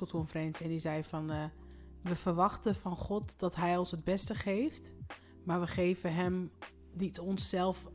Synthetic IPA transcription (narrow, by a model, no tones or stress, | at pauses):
olˠtkɔnfərɛnsɛndizɛjfɑn | ʋəvərʋɑχtəfɑnχɔtdɑtɦɛjɔnshəd̚bɛstəχejft | maːɹʋəχejvəɦɛm | ditɔnsːɛlˠf